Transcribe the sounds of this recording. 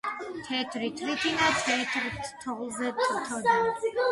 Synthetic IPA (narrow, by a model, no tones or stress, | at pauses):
t̪ʰɛt̪ʰɾit̪ʰɾit̪ʰinat̪ʰɛt̪ʰɾtʰt̪ʰɔlˠzɛt̪t̪ʰɔd